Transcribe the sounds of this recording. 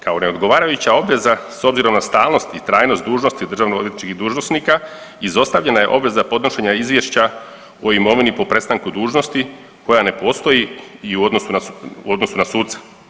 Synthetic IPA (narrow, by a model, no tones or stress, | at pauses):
kao̞ne̞o̞d̪ɡo̞ʋaːɾajut͡ɕao̞bʋe̞zaso̞bziɾo̞mnast̪aːlno̞st̪it̪ɾaːjno̞st̪d̪uːʒno̞st̪id̪ɾr̩ʒaːʋnooiet̪ni̥t͡ʃkid̪uːʒnosnika | izo̞st̪aʋʎe̞naje̞ʔo̞bʋe̞zapo̞d̪noʃeɲaizʋjeʃt͡ɕa | o̞imo̞ʋinipo̞pɾe̞tst̪aŋkud̪uːʒno̞st̪i | ko̞jane̞po̞ːst̪o̞jiiuod̪nosunauo̞d̪no̞sunasuːt̪sḁ